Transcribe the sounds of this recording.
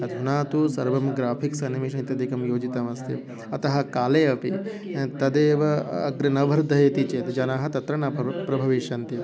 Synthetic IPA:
ɐd̪ʱunaːt̪usɐɾʋɐmɡɾaːpʰiksɐnːimiʃnit̪ɐd̪ikɐmjoːd͡ʒit̪ɐmɐst̪ḭ | ɐt̪ɐɦɐ̆kaːleːɐpi | t̪ɐd̪eːʋɐɐ̰ɡɾɐnɐʋɐɾd̪ʱɐjet̪it͡ʃeːt̪d͡ʒɐnaːɦɐt̪ɐt̪ɾɐɳaːpɾɐbʱɐʋiʃɐnt̪i

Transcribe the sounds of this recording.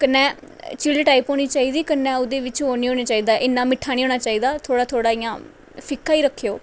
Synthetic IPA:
kənːɛː | t͡ʃɪɽeːʈaːiːpɦoːñiːt͡ʃaːiːd̪iːkənːɛ̃ːʊd̪eːʋɪt͡ʃɦoːniːɦoːniːt͡ʃaːiːd̪aːʔɪnːãːmɪʈʰːaːñiːɦoːnaːt͡ʃaːiːd̪aːt̪ʰoːɽaːt̪ʰoːɽaːijã̰ː | pʰɪkʰːaːiːɾəkʰːejoː

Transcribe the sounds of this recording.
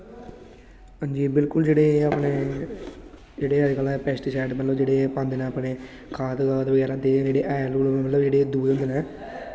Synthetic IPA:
hãːɲd͡ʒiːbɪlkʊld͡ʒeːɽeːəpneː | d͡ʒeːɽeːəd͡ʒkəlaːpɛːsʈɪsaːɖmət̪ləʋd͡ʒeːɽeːpãːnd̪eːnẽːəːpneː | kʰaːd̪ad̪eːbəɡɛːɾad̪eːd͡ʒeːɽeːʔɛːlulməmət̪ləbd͡ʒeːɽeːd̪uːeːɦʊ̃nd̪eːnɛ̃ː

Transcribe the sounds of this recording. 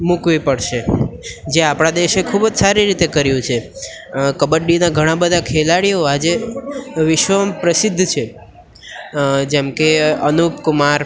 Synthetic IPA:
mukʋipəɽʃed͡ʒeapɽ̃ad̪eʃekʰubd͡ʒsaɾiɾit̪ekəɾjũt͡ʃʰe | kəbəɖinaɡʱəɽ̃ãbəd̪ʱakʰelaɽijoad͡ʒe | ʋɪʃʋəmpɾəsɪd̪ʱːt͡ʃʰe | d͡ʒemkeənupkumaɾ

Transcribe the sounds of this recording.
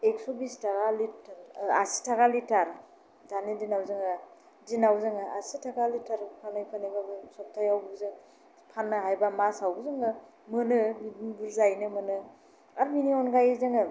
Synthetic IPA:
eksobistakalitɾasi̥tʰaɡalitaɾ | danidinawzɯŋa | dinawzɯŋaʔasitʰaɡalitaɾpʰanajpʰaniɡabɯsɔp̚tʰajawbuzɯ | pʰanːɯɦajbamasawɡzɯŋɯ | mɯnɯbibiŋbuɾzajnɯmɯnɯ | aɾbiniɔnɡajzɯŋɯ

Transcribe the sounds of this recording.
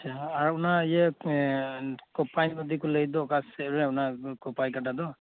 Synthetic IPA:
aaɾɔunajɛ | kɔpajnbɔd̪ikɔləjd̪ɔkasɛɾɛaɔnakɔpajkatad̪ɔ

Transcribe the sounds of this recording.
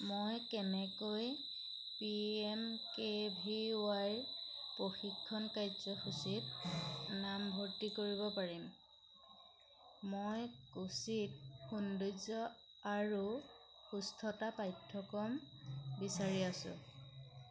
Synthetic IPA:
mojkɛnɛkoj | piɛmkebʱiwajɹpɹoxikʰːɔnkajzɔxusitnambʱoɹtikoɹiβɔpaɹim | mojkusit̚xunduzɔ | aɹu | xustʰɔtapajtʰːɔkɔmbisaɹiasʊ̰̃

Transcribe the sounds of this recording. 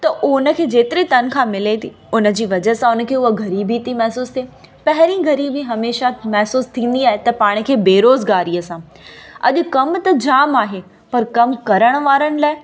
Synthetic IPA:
t̪ɐʔʊʊnə̆kʰeːd͡ʑeːt̪ɪɾit̪ɐn̆kʰãmɪlet̪ʰi | ʊnə̆d͡ʑiːʋɐd͡ʑəɦsãʊnə̆kʰeːʊɦoɡɐɾiːbit̪ʰimɛɦsuːst̪ʰieː | pɐɦɪɾĩɡɐɾiːbiɦɐmeːʃamɛɦsuːst̪ʰĩːn̆d̪iaːɦet̪ɐpaːɽ̃kʰeːbeːɾoːzɡaːɾiəsãː | ɐ̰ʄʊkɐmt̪ɐd͡ʑaːmaːɦe | pɐɾkɐmkɐɾəɽ̃ʋaːɾəɽ̃laːɪ

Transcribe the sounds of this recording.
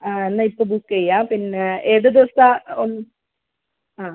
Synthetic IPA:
aːenːɐipːoːbukːɐjːaːpinːeeːðɨd̪iʋɐst̪aon | aː

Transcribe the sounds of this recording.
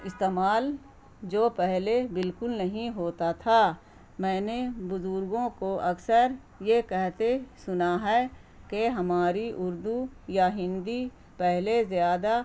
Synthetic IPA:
ɪst̪eːmaːl | d͡ʒoːpɛɦlebɪlkʊlnɐɦĩɦoːt̪at̪ʰa | mɛ̃ːnebʊzʊɾɡõkoʔɐksəɾ | jekɛɦt̪esʊnaɦɛː | keɦɐmaːɾiʔʊɾd̪ujaɦɪ̃nd̪i | pɛɦlezjaːd̪a

